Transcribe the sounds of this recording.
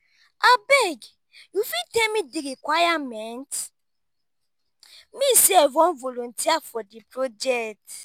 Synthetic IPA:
abɛɡ | jufitemĩdiɾikwajamɛ̃nt | mĩsiɛvɔ̃nvolõntiafɔdipɾod͡ʒɛt

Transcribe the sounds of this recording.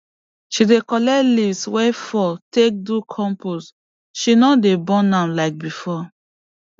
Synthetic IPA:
ʃidekɔlɛlivswɛfɔtek̚dukʰɔ̃mpus | ʃinɔdebɔ̃nãmlaɪk̚bifɔ

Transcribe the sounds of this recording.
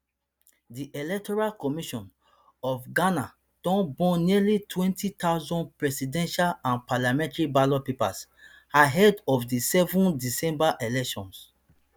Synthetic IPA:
diʔelɛk̚tɔɹalkɔmiʃɔ̃n | ɔfɡana | d̥ɔ̃nbɔ̃nilitwɛ̃ntitaʊzɔ̃npɹɛsidɛ̃nʃalãnpalamɛ̃ntɹibalɔpipa̰s | aɦɛdɔfdisɛvũndisɛ̃mbaʔelɛkʃɔ̰̃ns

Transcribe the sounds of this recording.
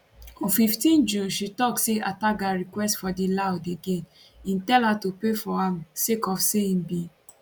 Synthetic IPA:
ɔfiftĩnd͡ʒuʃitɔkseʔataɡaɹikwɛstfɔdilawdeɡẽn | ĩntɛlhatupefɔãmsekɔfseĩnbĩ

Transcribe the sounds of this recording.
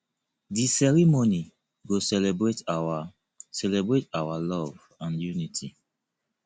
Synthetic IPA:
disɛɹimoni | ɡosɛlɛbɹetawa | sɛlɛbɹetawalɔv | ãnjunitʰḭ

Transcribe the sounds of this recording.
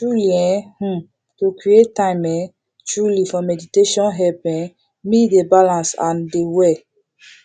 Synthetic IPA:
t͡ʃɹuliɛ̃h̩ | tukɹietãjmɛ̃ | t͡ʃɹulifɔmɛditeʃɔ̃nɦɛpɛ̃ | midebalãnsã̰ndewɛ

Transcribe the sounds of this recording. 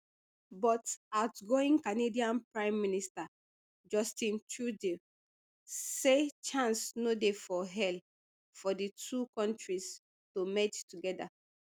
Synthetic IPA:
bɔtaʊtɡoĩŋkanediãnpɹãɪ̃mːinista | d͡ʒɔstĩntʰude | set͡ʃãnsnodefɔɦɛl | fɔditʰukɔ̃ntɹis | tomɛttuɡɛda̰

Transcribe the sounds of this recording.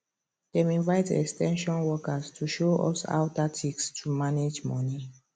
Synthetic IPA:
d̥ɛ̃mĩnvaɪtɛ̰kstʰɛ̃nʃɔ̃nwɔkastʰuʃoʔɔ̰sa̰ʊtatʰikstʰumaned͡ʒmɔni

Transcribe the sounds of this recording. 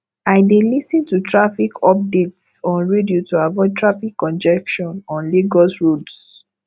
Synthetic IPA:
aɪdelisĩntutʰɹafikʰɔp̚detsɔ̃nɹediotuavɔɪtʰɹafikːɔ̃nd͡ʒɛkʃɔ̃nɔ̃nleɡɔsɹods

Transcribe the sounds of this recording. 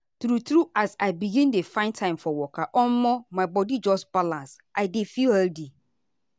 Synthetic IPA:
tɾutɾuʔasaɪbiɡĩndefãɪ̃ntʰãɪ̃mfɔwɔkʰaʔɔnmɔmãɪbɔdid͡ʒɔsb̥alãns | ʔaɪdefihɛldi

